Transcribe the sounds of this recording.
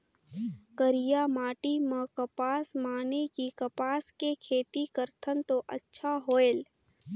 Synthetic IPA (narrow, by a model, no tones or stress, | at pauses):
kəɾɪjamaːʈimə̃kəpaːsmaːnekikɐpaːskekʰeːt̪ikəɾt̪ʰənt̪oʔə̰tːʃʰaɦoːeːl